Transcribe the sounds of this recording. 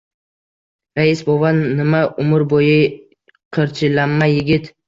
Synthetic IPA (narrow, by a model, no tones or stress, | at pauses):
ɾaɪsbovanːɪmaʔʊmʊɾbojɪ | qʰɨɾt͡ʃʰɪlanːajɪɡʲɪt̪